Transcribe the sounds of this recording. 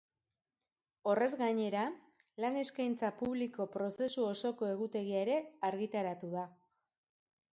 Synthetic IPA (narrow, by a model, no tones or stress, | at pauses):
o̞re̞zɣaɲe̞ɾa | lane̞skajnt͡sapuβliko̞pɾo̞se̞suo̞so̞ko̞e̞ɣ̞ut̪e̞ɣ̞iaeɾe̞aɾɣit̪aɾat̪uða